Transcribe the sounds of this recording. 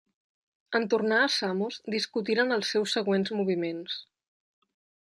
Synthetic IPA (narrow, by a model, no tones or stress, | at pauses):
ənt̪urnaəsamuzd̪iskut̪iɾənəlˠsːɛwsːəɣwenzmuβ̞imens